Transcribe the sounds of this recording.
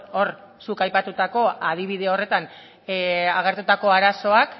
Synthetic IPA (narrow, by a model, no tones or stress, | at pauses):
o̞ɾ | sukajpat̪ut̪ako̞að̞iβ̞iðe̞o̞re̞t̪an | aɣ̞e̞ɾt̪ut̪ako̞aɾaso̞ak